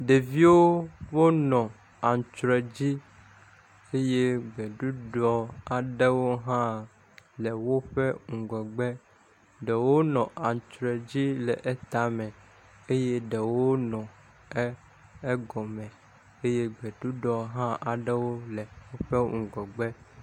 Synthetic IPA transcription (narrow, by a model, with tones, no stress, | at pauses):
ɖe˨vi˦wo˦wo˦nɔ̃˨ | a˨n˨t͡ʃɾɛ˨d͡ʑi˦ | e˦je˦ɡ͡bɛ˨ɖu˦ɖɔ˦a˨ɖe˦wo˦ɦã˦˨ | lɛ˨wo˦ɸɛ˦ŋũ˨ɡɔ˨ɡ͡bɛ˦ | ɖɛ˨wo˦nɔ̃˨ʔa˨ŋ˨t͡ʃɾɛ˨d͡ʑi˦lɛ˨ʔɛ˦t̪a˨mɛ̃˨ | e˦je˦ɖɛ˨wo˦nɔ̃˨ | ɛ˦ | e˦ɡɔ˨mɛ̃˨ | e˦je˦ɡ͡bɛ˨ɖu˦ɖɔ˨ɦã˦ʔa˨ɖɛ˦wo˦lɛ˨wo˦ɸe˦ŋũ˨ɡɔ˨ɡ͡bɛ˦